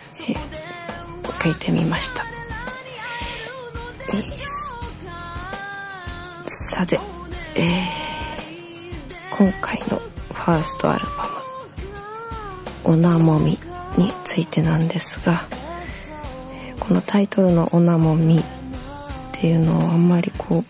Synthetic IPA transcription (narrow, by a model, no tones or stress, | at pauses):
e | okait̪ʰe̞mʲḭmaɕi̥t̪ḁ | eː | sat̪e | eː | kʰõ̞ŋkʰaino̞̰ɸaːsɨ̥t̪o̞̰a̰ɾɯ̟bamɯ̟ | onamo̞mʲi | ɲ̟it͡sɨit̪e̞nãnd̪e̞sɨ̥ɡ̥a | eːko̞no̞t̪ʰait̪o̞ɾɯ̟no̞̰ʔonamo̞mʲi | t̪ʰːe̞jɯ̟no̞amːaɾʲikʰo̞ː